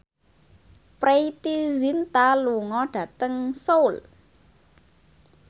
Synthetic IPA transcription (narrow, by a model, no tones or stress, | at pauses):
pɾeit̪izint̪aluŋɔɖ̥ä̤t̪əŋsowl